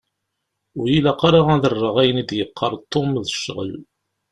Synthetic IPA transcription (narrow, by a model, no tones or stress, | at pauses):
ʊɾjilæqɑɾˤɑʁæðərˤːəʁæjənid̪jəqʰːəɾˤt̪ˤːomðəʃːʁə̰l